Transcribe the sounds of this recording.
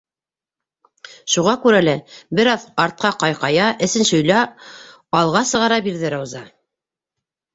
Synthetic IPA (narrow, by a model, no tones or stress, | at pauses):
ʃuʁɑkʉɾælæbɘ̆ɾɑðɑɾt̪̚qɑqɑjqɑjɑʔɘ̆sɘ̆nʃŏjlɑ | ɑlˠʁɑsɤ̆ʁɑɾɑbiɾðɘɾæwzɑ